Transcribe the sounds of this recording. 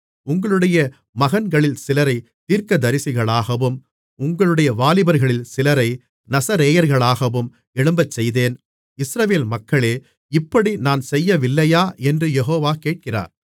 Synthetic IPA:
ʊŋɡɐɭɯɽɐjɐ | mɐɣɐnɡɐɭɪlsɪlɐɾɐɪt̪iːɾkɐd̪ɐɾɪsɪɣɐɭaːɣɐʋɯm | ʊŋɡɐɭɯɽɐjɐʋaːlɪbɐɾɣɐɭɪlsɪlɐɾɐɪ | nɐsɐɾeːjɐɾɣɐɭaːɣɐʋɯm | ɛɽɯmbɐt͡ʃsɛjðeːn | ɪsɾɐʋeːlmɐkːɐɭeː | ɪpːɐɽinaːnsɛjːɐʋɪlːɐjaːʔɛndrɯjɛɦoːʋaːkeːʈ̚kɪra̰ːɾ

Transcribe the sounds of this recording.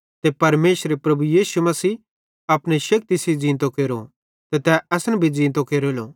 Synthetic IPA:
t̪epɐɾmeːʃɾepɾɐbujiːsumɐsiː | ɐpñeʃɐk̚t̪isid͡zĩːnt̪̬õkeːɾo̰ | t̪ɛt̪ɛɛsnɛbʱid͡zĩːnt̪̬õkeːɾoːlo

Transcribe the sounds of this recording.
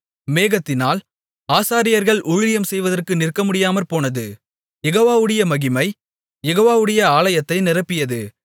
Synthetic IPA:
meːɣɐt̪ːɪnaːl | aːsaːɾɪjɐɾɣɐɭʔʊɻlɪjɐmsɛjʋɐðɐrkɯnɪrkɐmʊɽɪjaːmɐɾpoːnɐðɯ | jɛɣoːʋaːʋɯɽɐjɐmɐɣɪmɐɪ | jɛɣoːʋaːʋɯɽɐjɐaːlɐjɐt̪ːɐɪnɪrɐpːɪjɐðɯ

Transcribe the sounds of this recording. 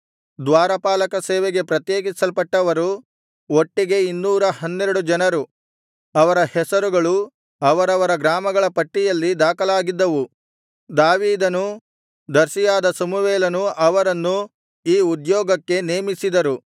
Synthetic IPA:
d̪ʋaːɾɐpaːlɐkɐsɛːʋeɡe̞pɾɐt̪jeːɡisɐlpɐʈːɐʋɐɾu | oʈːiɡe̞inːuːɾɐhɐnːɛɾɐɽud͡ʒɐnɐɾu | ɐʋɐɾɐhɛsɐɾuɡɐɭu | ɐʋɐɾɐʋɐɾɐɡɾaːmɐɡɐɭɐpɐʈːijɐlːid̪aːkɐlaːɡid̪ːɐʋu | d̪aːʋiːd̪ɐnu | d̪ɐɾsijaːd̪ɐsɐmuʋeːlɐnuɐʋɐɾɐnːu | iːud̪jɔːɡɐkːe̞neːmisid̪ɐɾu

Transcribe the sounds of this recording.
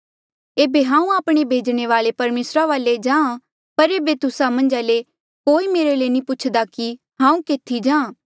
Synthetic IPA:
eːbeɦãːũaːpɽ̃ebʱeːd͡ʒɽ̃eʋaːlepɐɾmeːsɾaʋaːled͡ʒãːã | pɐɾeːbet̪ʊsamɐ̃nd͡ʒale | koːimeːɾeleːnĩpʊt͡ʃʰd̪aki | ɦãːũkeːt̪ʰːid͡ʒãː

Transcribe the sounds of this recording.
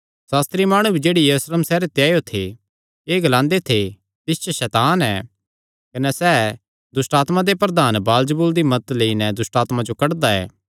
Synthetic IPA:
saːst̪ɾimaːɽ̃ubʱid͡ʒeːɽijɐɾuːsleːmsɛːɾet̪jaːjot̪ʰe | eːɡɐlãːnd̪et̪ʰe | t̪ɪst͡ʃəʃɛːt̪aːnɛ̰ː | kɐnɛsɛː | d̪ʊsʈaːt̪mãd̪epɾɐd̪aːnbaːld͡ʒəbuːld̪imɐt̪leːinɛd̪ʊsʈaːt̪mãd͡ʒokɐɽd̪aɛ̰ː

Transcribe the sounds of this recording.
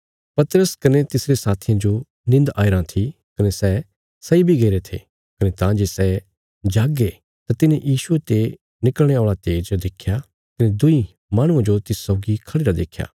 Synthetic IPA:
pɐt̪əɾəskɐnet̪ɪsɾesaːt̪ʰɪjãd͡ʒo | nɪ̃nd̪aːiɾãt̪ʰi | kɐnesɛː | sɐibʱiɡeːɾet̪ʰḛ | kɐnet̪ãd͡ʒesɛː | d͡ʒaːɡe | t̪at̪ɪnẽjʔiːʃuet̪e | nɪkəlɽ̃eoːɭat̪eːd͡ʒd̪ekʰja | k̪ɐned̪ʊi | maːɽ̃ʊ̃ãd͡ʒot̪ɪsːɔːɡikʰɐɽeːɾad̪eːkʰja̰ː

